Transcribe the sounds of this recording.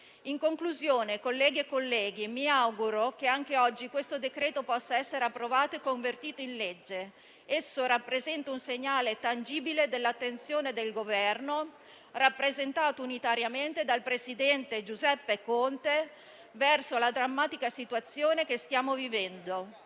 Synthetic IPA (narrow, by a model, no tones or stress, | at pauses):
iŋkoŋkluzjoːnekolːɛːɡiekːolːɛːɡimiawɡuɾok̟eaŋk̟eɔd͡ʒːikwest̪od̪ekɾeːt̪opɔsːaɛsːeɾeapːɾovaːt̪oekːoɱvert̪iːt̪oinled͡ʒːe | esːoɾapːɾezɛnt̪aunseɲːaːlet̪and͡ʒiːbiled̪elːat̪ːent̪sjoːned̪elɡovɛrno | rapːɾezent̪aːt̪ounit̪aɾjament̪ed̪alpɾesid̪ɛnt̪ed͡ʒuzɛpːekont̪e | vɛrsolad̪ɾamːaːt̪ikasit̪uat̪sːjoːnekest̪jaːmovivɛnd̪o